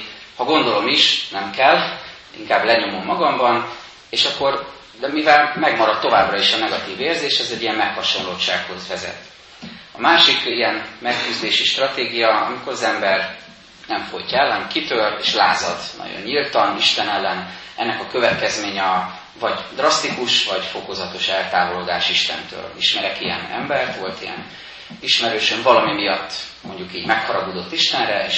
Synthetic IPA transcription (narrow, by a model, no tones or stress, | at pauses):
hɒɡo̞nd̪o̞lo̞miʃnɛmkɛlː | ḭŋkaːblɛɲo̞momːɒɡɒmbɒn | eːʃɒkːo̞r | d̪ɛmivɛlmɛɡmɒɾɒt̪ːo̞vaːbrɒiʃɒnɛɡɒt̪iːveːrzeːʃɛzɛɟːijɛmmɛkhɒʃo̞nloːt͡ʃa̰ːkho̞zvɛzɛ̰t̪ | ɒmaːʃikijɛnmɛkːyzd̪eːʃiʃt̪rɒt̪eːɡijɒɒ̰miko̞ɾɒzɛmbɛr | nɛɱfojcɛlːɛnkit̪ørḛːʃlaːzɒd̪nʔɒ̰ɟo̰ɲːilt̪ɒniʃt̪ɛnɛlːɛn | ɛnːɛkɒkø̞vɛt̪kɛzmeːɲɒ | vɒɟd̪rɒst̪ikuʃvɒɟfo̞kozɒt̪o̞ʃɛlt̪aːvold̪aːʃiʃt̪ɛ̰nt̪ø̰ːliʃmɛɾɛkijɛ̰nɛ̰mbɛrt̪ʋo̞lt̪ijɛ̰n | iʃmɛɾøːʃøɱvɒlɒmimijɒt̪ːmo̞ɲɟukiːɟmɛkhɒɾɒɡod̪o̞t̪ːiʃt̪ɛnrɛḛːʃ